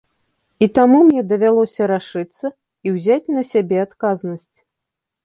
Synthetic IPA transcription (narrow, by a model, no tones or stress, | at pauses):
it̪amumnʲɛd̪ɐvʲalˠɔsʲɐɾaʂɨt̪sːɐ | iwzʲat͡sʲnɐsʲabʲɛat̪kaznɐsʲt͡sʲ